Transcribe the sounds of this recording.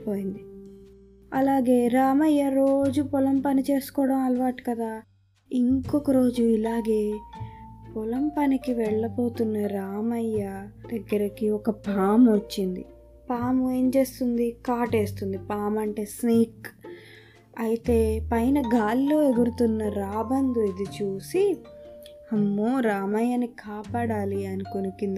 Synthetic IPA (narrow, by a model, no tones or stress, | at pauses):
poːjind̪i | ɐlaːɡe̞ːɾaːmɐjːɐɾoːd͡ʒupɔlɐmpɐnit͡ʃe̞ːsu̥kɔːɽɐmɐlɐʋaːʈi̥kɐd̪aː | iŋkɔkɐɾo̞ːd͡ʒuilaːɡe̞ː | pɔlɐmpɐnikiʋɛɭːɐpo̞ːt̪unːɐɾaːmɐjːɐd̪ɐɡːɐɾɐkiɔkɐpaːmʋot͡ʃːind̪ḭ | paːmeːɲt͡ʃe̞ːst̪und̪ikaːʈe̞ːst̪und̪ipaːmɐɳʈe̞ːsniːk | ɐjit̪e̞ːpɐjnɐɡaːlilo̞ːeɡ̪uɾut̪unːɐɾaːbɐnd̪uid̪it͡ʃuːsi | hɐmːuɾaːmɐjːanikʰaːpaːɽaːliɐnikonukind̪i